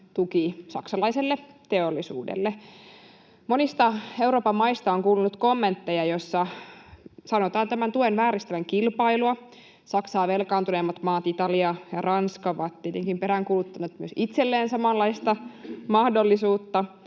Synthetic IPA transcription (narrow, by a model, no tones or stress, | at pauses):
t̪ukisɑ̰ksɑlɑiselːet̪eolːisṵːdḛlːe | monist̪ɑeuwɾoːpɑmːɑist̪ɑoŋkuːlunut̪komːent̪ːejɑjosːɑ | sɑnot̪ɑːnt̪æmænt̪uenʋæːɾist̪æʋæŋkilpɑiluɑ | sɑksɑːʋelkɑːnt̪unemːɑt̪mɑːt̪it̪ɑliɑjɑrɑnskɑʋɑt̪t̪iet̪eŋkimpeɾæŋkulut̪ːɑnet̪myøsit̪selːeːnsɑmɑlːɑist̪ɑmɑhdolːisuːt̪ːɑ